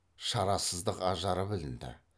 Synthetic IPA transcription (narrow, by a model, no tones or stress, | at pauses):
ʃɑɾɑsəzd̪əqɑʒɑɾəbɪlɪnd̪ɪ̰